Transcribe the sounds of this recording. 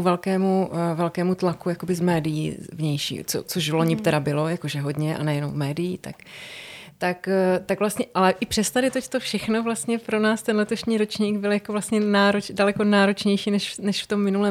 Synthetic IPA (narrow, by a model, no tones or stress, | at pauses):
vɛlkɛːmuvɛlkɛːmut̪lakujakobɪzmɛːdɪjḭːvɲɛjʃḭːt͡so̰t͡soʃvloɲɪt̪ɛɾabɪlo̞jakoʒɛɦo̞dɲɛʔa̰nɛjɛnowmɛːdɪjiːt̪a̰k | t̪akt̪aɡvlast̪ɲɛʔalɛʔɪpr̝̥ɛst̪adɪt̪oct̪ofʃɛxnovlast̪ɲɛpɾo̞naːst̪ɛnlɛt̪o̞ʃɲiːɾot͡ʃɲiːɡbɪljakovlast̪ɲɛnaːɾot͡ʃdalɛko̞naːɾo̞t͡ʃɲɛjʃiːnɛʃnɛʃft̪o̞mːɪnulɛː